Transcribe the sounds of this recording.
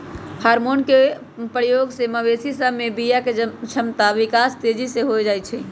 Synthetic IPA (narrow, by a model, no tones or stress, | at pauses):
haɾmonke | pɾəjoɡseməbesisəbʱmebijaket͡ʃʰəmt̪aʋikast̪ed͡ʒisẽɦojd͡ʒajt͡ʃʰɛ